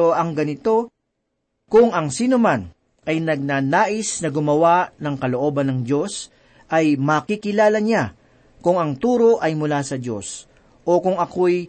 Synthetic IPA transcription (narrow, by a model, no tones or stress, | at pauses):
oʔɐŋɡɐnɪt̪o̞ | kʊŋɐŋsiːnoman | ʔɐjnɐɡ̚naːnaːʔɪsnɐɡʊmɐwaʔnɐŋkɐlo̞ʔo̞ːbɐnɐŋd͡ʒo̞s | ʔɐjmɐkikɪlaːlɐɲa | kʊŋɐŋt̪uːɾo̞ʔɐjmʊlasɐd͡ʒo̞̰s | ʔo̞kʊŋɐko̞j